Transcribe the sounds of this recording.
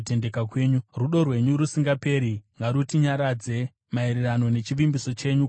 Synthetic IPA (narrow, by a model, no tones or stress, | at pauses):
te̞ndekakweːɲuruɗo̞rwe̞ɲuɾusiŋɡape̞ːɾiŋɡaɾutiɲaɾad͡ze̞ | maeɾerano̞ne̞t͡ʃiʋimbiso̞t͡ʃe̞ɲu